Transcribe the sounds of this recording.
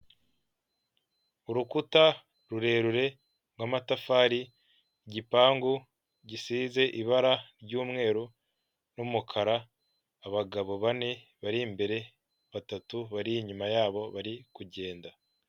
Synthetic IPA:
uɾukuta | ɾuɾe̞ːɾuɾe̞ | ŋwamatafaːɾi | ɟipaːŋɡu | ɟisiːze̞ʔiβaɾaɾɟuːmŋe̞ːɾu | numukʰaɾaː | βaɡaβo̞βane̞βaɾimbe̞ɾe̞ | βatatuβaɾiɲumajaːβo̞βaɾikuɟe̞ːnda

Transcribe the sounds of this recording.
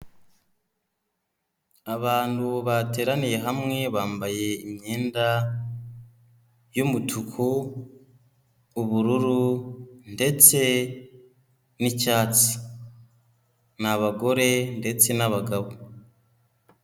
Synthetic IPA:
aβaːnduβate̞ːɾanije̞ɦamŋe̞βaːmbaje̞imɲe̞ːnda | jumutʰukʰu | βuɾuɾunde̞t͡se̞ | nicaːt͡si̥ | naβaɡo̞ɾe̞nde̞t͡se̞naβaɡaβo

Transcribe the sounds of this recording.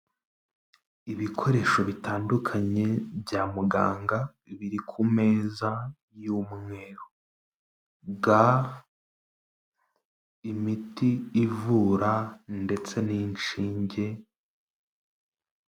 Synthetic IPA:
iβikʰo̞ɾe̞ʃo̞βitaːndukʰaɲe̞bjaːmuɡa̰ːŋɡa | βiɾikʰume̞ːza | juːmŋe̞ɾo | ɡa | imitiːvuːɾande̞t͡se̞ninʃiːɲɟe̞

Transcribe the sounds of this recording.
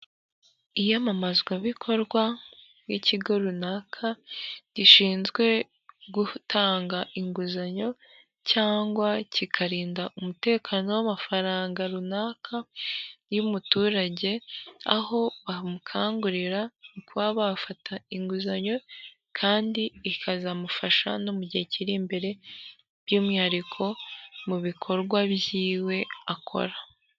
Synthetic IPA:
ijamamazɡwaβikʰo̞ɾɡwa | jiciɡo̞ɾunaːkʰaɟ̥iʃiːnzɡwe̞ | ɡutʰaːŋɡaʔiŋɡuzaɲo̞ | caːŋɡwacikʰaɾiːndaʔumute̞ːkʰaːno̞wamafaɾaːŋɡaɾunaːkʰa | jumutuːɾaɟe̞a̰ho̞βamukʰaːŋɡuɾiɾanikwaːβafatʰaiŋɡuzaɲo̞ | kʰaːndiːkʰazamufaʃa̰nomuɟeciɾiːmbe̞ɾe̞ | β̥jumihaɾikʰo̞muβikʰo̞ɾɡwaβjiːwe̞akʰo̰ɾa

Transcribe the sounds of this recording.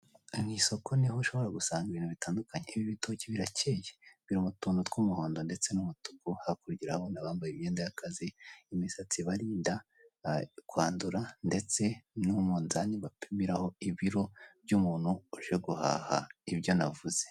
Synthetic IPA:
ŋiso̞kʰo̞niɦoʃo̞βo̞ɾaɡusaːŋɡaiβiːnhuβitaːndukaɲeiβiβitociβiɾacejeβiɾumutuːndotkumuhoːndonde̞t͡se̞numutu̥kuhakuɾɟiɾahaβonaβaːmbajimɲeːndajakaziimisat͡siβaɾiːnda | kwaːnduɾande̞t͡se̞numunzaniβapʰimiɾaho̞iβiɾo̞bɟumuːn̥huuʒeɡuha̰ːha̰iβjo̞na̰vuz̥e̞

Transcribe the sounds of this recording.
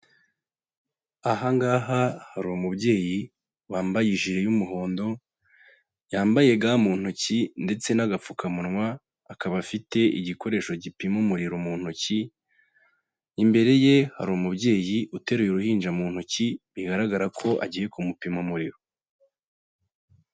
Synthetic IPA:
aɦaŋɡaːɦahaɾumubɟe̞ːji | βaːmbajiʒiɾe̞jumuɦo̞ːndo̞ | jaːmbaje̞ɡaːmuːn̥hucinde̞t͡se̞naɡap͡fukʰamunŋwaː | kaβafite̞ʔḭɟiko̞ɾe̞ʃo̞ɟipimomuɾiɾomuːn̥huci | imbe̞ɾe̞je̞ha̰ɾumubɟe̞ːjiʔute̞ɾujoɾuhiːnd͡ʒamuːn̥huciβiɡaɾaɡaɾakʰo̞ʔa̰ɟije̞kʰumupimomuɾiɾo

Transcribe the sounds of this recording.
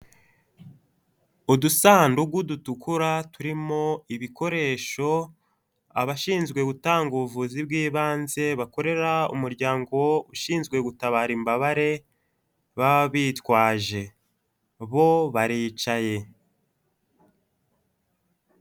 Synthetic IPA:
udusaːnduɡudutukuɾatuɾimo̞iβiko̞ɾe̞ːʃo̞ | a̰βaʃiːnzɡwe̞ɡutaːŋɡuβuvuːzibɡiːβaːnze̞βako̞ɾe̞ɾaṵmuɾɟaːŋɡo̞uʃiːnzɡwe̞ɡutaβaːɾimbaβaɾe̞ | βaββiːtwaːʒe̞ | βo̞βaɾiːt͡ʃaje̞

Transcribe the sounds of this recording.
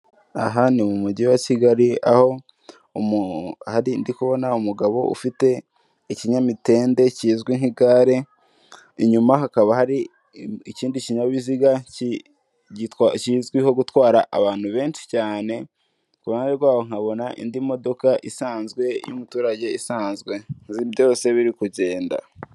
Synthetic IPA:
a̰ɦanimumuɟiwaciɡaɾia̰ho̞ | muhaɾindikuβo̞naumuɡaβo̞ṵfite̞ | iciɲamite̞ːnde̞cizɡwiŋiɡaɾe̞ | iɲumaɦakaβahaɾi | iciːndiciɲaβiziɡaci | iacizɡwiho̞ɡutwaːɾaʔa̰βaːn̥huβe̞ːnʃi̥caːne̞ | kuβaeɾɡwaːwo̞ŋ̥aβo̞naʔḭndimo̞do̞kaʔḭsaːnzɡwe̞jṵmutuːɾaɟe̞isaːnzɡwe̞nzibjo̞se̞βiɾikuɟe̞ːnda̰

